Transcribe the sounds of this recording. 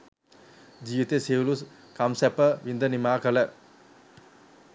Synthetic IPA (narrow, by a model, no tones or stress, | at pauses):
d͡ʒiːʋit̪eseːʋulus | kamsɛpəʋind̪ənimaːkələ